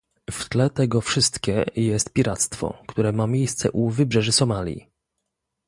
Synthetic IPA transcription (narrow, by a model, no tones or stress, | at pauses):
ft̪lɛt̪ɛɡɔfʂɘst̪kʲɛjɛst̪̚pʲiɾat̪st̪fɔ̰kt̪uɾɛmamʲjejst̪sɛ̰ʔuvɘbʐɛʐɘsɔmalʲjḭ